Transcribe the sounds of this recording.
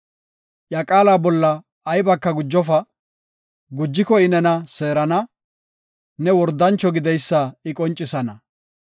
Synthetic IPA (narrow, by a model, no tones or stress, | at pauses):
ʔjɐkʼaːlaːbɔlːɐː | jbɐkːɐɡʊd͡ʒːɔfɐ | ɡʊd͡ʒːɪkɔɪnɛnɐseːɾɐnɐ | nɛwɔɾd̪ːɐnt͡ʃːɔɡɪd̪ɛjsːaɪkʼɔnt͡ʃʼːɪsɐnɐ